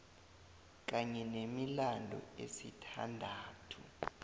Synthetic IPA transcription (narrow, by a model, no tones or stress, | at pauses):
k̬aɲɛnemilandʱɔ̰ḛsitʰa̰ndʱaːtʰu